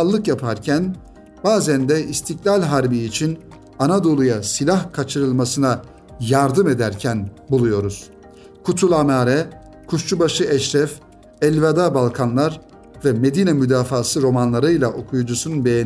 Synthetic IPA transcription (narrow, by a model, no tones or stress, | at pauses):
lˠːɯkjapʰaɾcʰæn | baːzænd̪ɛist̪ʰiklʲalʲɦaɾbiːt͡ʃʰin | anad̪o̞lˠujasilʲahkʰat͡ʃʰɯɾɯlˠmasɯna | jaɾd̪ɯme̞d̪æɾcʰænbulˠujo̞ɾuz̥ | kʰut̪ʰulˠamaːɾɛ | kʰuʃt͡ʃubaʃɯʔɛʃɾɛf | ɛlʲvad̪abalˠkʰanlˠaɾ | vɛme̞d̪iːnɛmyd̪aːfaːsɯɾo̞manlˠaɾɯjlˠaʔo̞kʰujud͡ʒusununbe̞jen